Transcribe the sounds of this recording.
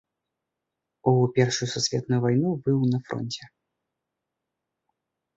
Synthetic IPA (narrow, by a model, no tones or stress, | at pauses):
upʲɛrʂujususʲvʲɛt̪nujuvajnubɨwnɐfɾɔ̰nʲt͡sʲɛ